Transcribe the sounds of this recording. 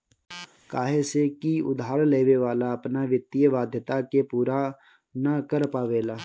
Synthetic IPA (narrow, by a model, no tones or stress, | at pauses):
kaːɦesekiʊ̰d̪aːɾleːʋeʋaːlaɐpnaʋjət̪ːijəʋaːd̪ʱjət̪akepuːɾa | nɐkəɾpaːʋeːlaː